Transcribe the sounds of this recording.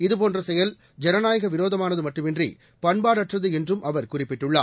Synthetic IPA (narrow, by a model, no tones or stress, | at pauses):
ɪðɯpoːndrɐsɛjɐl | d͡ʒɛnɐnaːjɐɣɐʋɪɾoːðɐmaːnɐðɯmɐʈːɯmɛndrḭ | pɐnbaːɽɐʈːrɐðɯɛndrɯmʔɐʋɐɾkʊrɪpːɪʈːɯɭːa̰ː